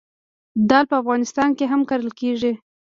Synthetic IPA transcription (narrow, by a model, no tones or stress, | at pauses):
d̪ɑlpəafɣɑnɪst̪ɑnkeɦamkaɾəlkeʐi